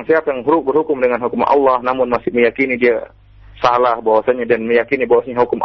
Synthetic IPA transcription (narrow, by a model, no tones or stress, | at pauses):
ŋsiapajaŋɦuɾʊk̚bərhukʊmdəŋanhukumaʔɑ̰lːahnamʊnmasɪhməjakinidia | salahbawasaɲadanməjakinibawasaɲaɦukʊmʔ